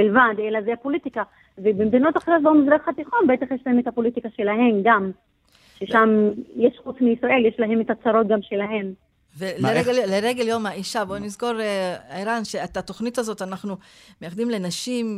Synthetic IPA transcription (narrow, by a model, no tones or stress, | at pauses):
bilvad̪elazeapo̞lit̪ika | vebemd̪inot̪aχdoʃbomizʁaχat̪iχonbeet̪aχjeʃlaemet̪hapo̞lit̪ikaʃe̞laɦe̞mɡam | ʃeʃamjeʃχut͡smiisʁaʔe̞ljeʃlaɦe̞met̪at͡saɾo̞t̚ɡamʃe̞laɦe̞m | veleeɡleʁeɡeljo̞maiʃabo̞nizko̞ʁeaiʁanʃeetato̞χnitazo̞tanaχnumejaχd̪imle̞naʃim